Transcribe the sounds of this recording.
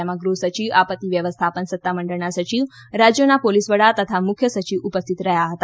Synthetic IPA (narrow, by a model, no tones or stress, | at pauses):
emãɡɾusət͡ʃiʋapət̪ːiʋjəʋəst̪ʰapənsət̪ːaməɳɖəɭnasət͡ʃiʋ | ɾad͡ʒjonapolisʋəɽat̪ət̪ʰamʊkʰjəsət͡ʃiʋupəst̪ʰit̪ɾəɦjaɦət̪a